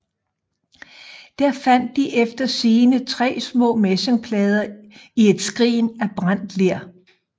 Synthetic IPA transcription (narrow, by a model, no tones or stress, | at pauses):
d̥æɐ̰fæn̰d̥ːiʔefd̥ɐsiːnət͡sʰʁɛ̰ːsmɔ̰̽ːmeseŋpʰlɛːð̞ˠɐie̝d̥sɡ̥ʁḭːnæb̥ʁan̰d̥leɐ̰